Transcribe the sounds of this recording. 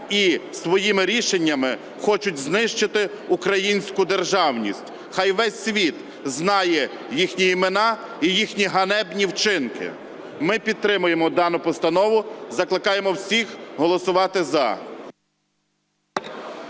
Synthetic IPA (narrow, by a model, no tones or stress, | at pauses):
isʋɔjimɪɾʲiʃenʲːɐmɪ | xɔt͡ʃʊtʲznɪʃt͡ʃɪt̪ɪ | ukɾɐjinʲsʲkʊd̪erʒɑwnʲḭsʲtʲ | xɑjʋɛsʲːʋʲit̪ | znɑjɛ | jixnʲiimenɑ | ijixnʲiɦɐnɛbnʲiwt͡ʃɪnkɪ̰ | mɪpʲid̪̚t̪ɾɪmʊjemɔd̪ɑnʊpɔst̪ɐnɔʋʊzɐklˠɪkɑjemɔwsʲixɦɔlˠɔsʊʋɑt̪ɪzɐ